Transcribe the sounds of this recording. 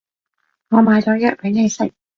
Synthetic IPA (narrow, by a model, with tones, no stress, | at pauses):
ŋɔː˨˧maː˨˧jt͡sɔː˨˥jɐ˥t̚pe˨˥ne˨˧jsɪ˨˩k̚